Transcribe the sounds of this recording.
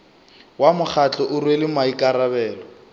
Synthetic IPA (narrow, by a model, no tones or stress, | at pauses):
wamʊk͡xʰat͡ɬʼɔʔʊrwelɪmaikʼaɾabɛːlɔ